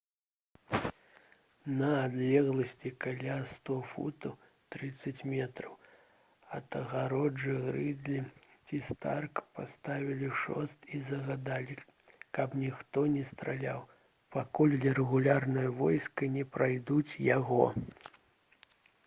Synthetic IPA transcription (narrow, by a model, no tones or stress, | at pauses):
nɐːd̪lʲɛɣlˠɐsʲt͡sʲikalʲast̪ɔfṵt̪ɐw | t̪ɾɨt̪sːɐt͡sʲmʲɛt̪ɾɐw | ɐt̪ɐɣaɾɔd͡ʐɨɣɾɨd̪lʲit͡sʲist̪arkpast̪avʲilʲiʂɔ̰st̪izɐɣad̪alʲi | kɐpnʲixt̪ɔnʲɛst̪ɾalʲaw | pakulʲlʲɛɾɛɣulʲarnɨjɐvɔjskɐnʲɛpɾajd̪ut͡sʲjaɣɔ